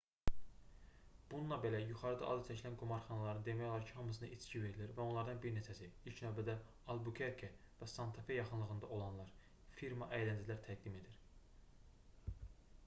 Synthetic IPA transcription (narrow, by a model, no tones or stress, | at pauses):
b̥ununlˠɑbe̞læjuχɑɾɯd̪ɑ̰ʔɑ̰zɯt͡ʃ̪ʰæcʰilænɡomɑɾχɑnɑlˠɑɾɯnd̪e̞mæjo̞lˠɑɾcʰihɑmɯs̬ɯnɑʔit͡ʃcive̞ɾiliɾvæonlˠɑɾd̪ɑnbiɾnet͡ʃʰæsiilcʰnøːbæd̪æ | ɑlˠbukʰeɾkʰe | væsɑnt̪ʰɑfejɑχɯnlˠɯɣɯnd̪ɑʔo̞lˠɑnlˠɑɾ | fiɾmɑʔæjlænd͡ʒ̪ilæɾt̪ʰæɡ̚d̪ime̞d̪iɾ